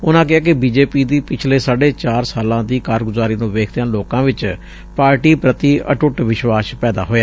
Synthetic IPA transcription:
ʊnãːk̬ɪɦaːkɪbiːd͡ʒeːpiːd̪iːpɪt͡ʃʰleːsaːɖeːt͡ʃaːɾsaːlãːd̪iːkaːɾɡʊzaːɾiːnũːʋeːkʰd̪ejãːloːkãːʋɪt͡ʃ | paːɾʈiːpɾət̪iːʔə̰ʈʊʈʋɪʃʋaːspɛːd̪a̰ːɦoːjaː

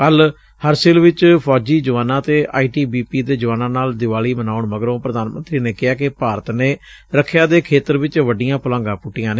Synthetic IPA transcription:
kəl | həɾsɪlʋɪt͡ʃpʰɔːd͡ʒiːd͡ʒəʋaːnãːt̪eːʔa̰ːiːʈiːbiːpiːd̪eːd͡ʒəʋaːnãːnaːld̪ɪʋaːliːmənaːʊɳməɡɾõːpɾəd̪aːnmə̰nt̪ɾiːneːkɪaːkɪpaːɾət̪neː | ɾəkʰːjaːd̪eːkʰeːt̪əɾʋɪt͡ʃʋəɖɪjãːpʊlãːŋɡãːpʊʈːɪjãːneː

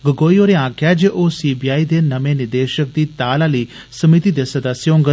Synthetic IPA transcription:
ɡəɡoːioːɾeãːkʰjad͡ʒeʔoːsiːbiːaːid̪eːnɐʋẽnɪɾd̪eːʃək̚d̪iːt̪aːlaliː | səmit̪id̪esəd̪əsjõːŋɡə

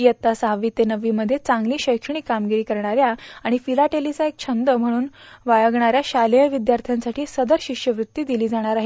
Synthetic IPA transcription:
jət̪ːasɦaʋiːt̪enəʋiːməd̪ʱːjet͡sãŋɡliːɕəjkʂɳ̃iːkamɡiɾiːkəɾɳaɾjaaɽ̃ifilaʈelit͡saek̚t͡ɕʰənd̪əm̤əɽ̃uːnʋajəɡɳ̃aɾjaɕaljəʋid̪jaɾt̪ʰjansaʈʰiːsəd̪əɾɕiʂjəʋɾut̪ːiːd̪iliːd͡zaɽ̃aɾaɦi

